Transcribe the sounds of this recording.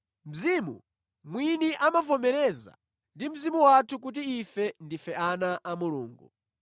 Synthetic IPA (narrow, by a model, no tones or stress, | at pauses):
m̩zimṵ | mwiniʔamafɔmɛɾɛza̰ | ndim̩zimuwatʰuk̬ut̬iːfɛndifɛanaʔamuluːŋɡṵ